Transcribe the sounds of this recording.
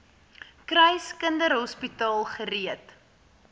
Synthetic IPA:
krəjskəndəɾɦɔspitɑːlˠχəɾiət

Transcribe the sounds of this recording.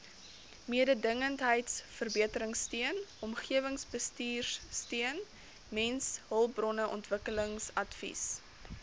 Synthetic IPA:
miədədəŋəntɦəjtsfərbiətəɾəŋstiənɔmχiəvəŋsbəstiːrstiən | mɛnsɦəlˠpbrɔnəʔɔntvəkələŋsɐtfḭs

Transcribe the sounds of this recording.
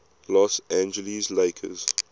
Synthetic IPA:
lɔsæ̃nd͡ʒəlizleɪkʰə̰z̥

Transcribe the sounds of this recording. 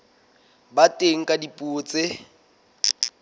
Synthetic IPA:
batʼeŋ̩kʼadipʼuːt͡se

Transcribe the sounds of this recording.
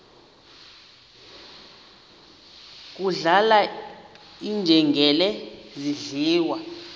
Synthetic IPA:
k̬ʼuɮala | ind͡ʒʱɛŋɡʱɛlɛziɮiːwa

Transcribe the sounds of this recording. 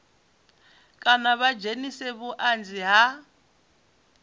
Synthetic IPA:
kʼanaβad͡ʒenisɛβuʔand͡ziɦa

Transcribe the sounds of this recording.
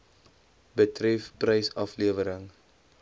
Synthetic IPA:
bətrɛfprəjsɐfliəvəɾəŋ

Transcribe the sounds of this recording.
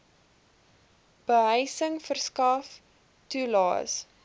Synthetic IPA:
b̥əɦəjsəŋfərskɐf | tulɑ̰ːs

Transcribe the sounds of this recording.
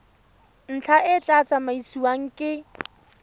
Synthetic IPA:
n̩t͡ɬʰaʔɪt͡ɬʼat͡sʼamaisiwaŋ̩kʼɪ

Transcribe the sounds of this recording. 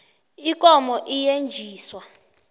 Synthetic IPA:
ikʼɔmɔʔijend͡ʒʱiːswa

